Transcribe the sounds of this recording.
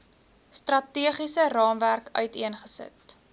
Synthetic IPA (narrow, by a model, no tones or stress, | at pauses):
strɐtiəχisərɑːmværkœɥtiənχəsə̰t